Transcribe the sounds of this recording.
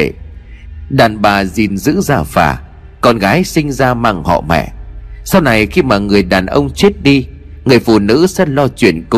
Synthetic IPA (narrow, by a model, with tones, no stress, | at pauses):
ɗaː˨˩nɓaː˨˩zi˨˩nzɨ̰˧˥zaː˧˩fa̰ː˨˩ | kɔ˧nɣaː˨˦jsï˧ŋ̟zaː˧maː˧ŋhɔ̰˧˨mɛ̰˧˨sa˧wna˨˩jxi˧maː˨˩ŋɨ˨˩əjɗaː˨˩nʔə˧wŋ͡mt͡ɕi˦˥t̚ɗi˧ | ŋɨ˨˩əjfṵ˧˨nɨ̰˧˥sɛ̰˧˥lɔ˧t͡ɕwḭ˧˨ənkʊ˧